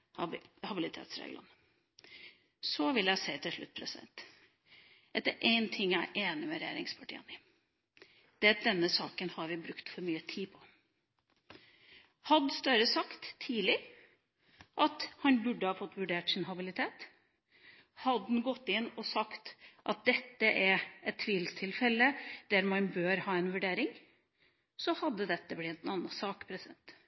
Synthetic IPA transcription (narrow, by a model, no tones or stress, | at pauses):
hɑbɪlɪt̪ʰḛːt̪sɾḛːɡlɑ̰n | sɔʋɪljæɪseɪt̪ʰɪlʂɭʉ̰t̪ːpʰɾɛsɪd̪ɛ̰nt̪ | d̪ɛt̪ːəɾʔeɪnt̪ʰɪŋːæ̰ɪʔeːnɪmɛɾɛjḛːɾɪ̰ŋspʰɑʈʰḭːənɪ | d̪̥ɛd̪ɛnːəsɑːkənhɑɾʋɪbɾʉkt̪fɔɾmyːət̪ʰiːpʰɔ̥ | hɑd̪st̪œɾəsɑkt̪ʰːiːlɪ | ʔɑt̪hɑnbʉɖːəhɑːfɔt̪ːʋʉɖeːʈsɪnɦɑbɪlɪt̪ʰeːt̪ | hɑd̪nɡɔt̪ːɪnːɔsɑkt̪ʔɑt̪̚d̪ɛt̪ːəʔæɾɛt̪ʰːʋiːlst̪ʰɪlfɛlːəd̪̥æɾmɑnbøːɾhɑːɛnʋʉɖeːɾɪŋ | sɔhɑd̪ːəd̪ɛt̪ːəblɪnɑnɑsɑːkpʰɾɛsɪd̪ɛnt̪